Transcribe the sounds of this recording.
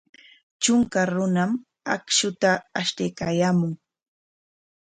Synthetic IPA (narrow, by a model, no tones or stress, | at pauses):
t͡ʃʊŋkaɾʊnam | akʃʊt̪aːʃt̪ejkaːjaːmʊŋ